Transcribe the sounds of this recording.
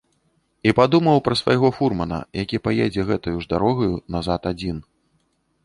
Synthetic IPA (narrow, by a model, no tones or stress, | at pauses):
ipad̪umɐwpɾɐsvajɣɔfurmɐnɐ̰jakʲipajɛd͡zʲɛɣɛt̪ɐjuʐd̪aɾɔɣɐjunazat̪ad͡zʲin